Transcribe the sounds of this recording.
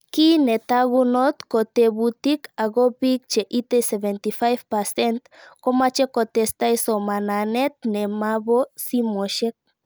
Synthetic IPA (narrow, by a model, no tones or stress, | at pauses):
kinet̪aɣunot̪kot̪eβut̪ikaɣopikt͡ʃeʔit̪eseβent̪ifajfpasent̪komat͡ʃekot̪est̪ajsomananet̪̚nemaβosimoʃek̚